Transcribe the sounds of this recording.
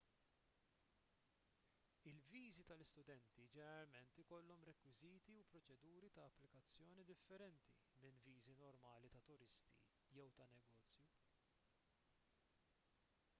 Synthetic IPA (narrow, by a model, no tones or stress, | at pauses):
ɪlviːzit̪ɐlɪst̪ʊd̪ɛnt̪id͡ʒɛnɛɾɐlmɛnt̪ɪkɔlːɔmɾɛkwɪziːt̪iupɾɔt͡ʃɛd̪uːɾit̪ɐːpːlɪkɐt͡sːjɔːnid̪ɪfːɛɾɛnt̪ḭ | mɪnviːzinɔɾmɐːlit̪ɐt̪ʊɾɪst̪ḭ | jɛwt̪ɐnɛɡɔːt͡sːju